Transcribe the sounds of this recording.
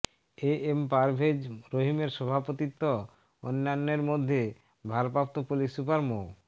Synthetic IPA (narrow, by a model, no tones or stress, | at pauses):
eempaɾbʱed͡ʑɾoɦimeɾʃɔbʱapot̪it̪ːo | o̰nːanːeɾmod̪ʱːe | bʱaɾpɾap̚t̪opulisupaɾmo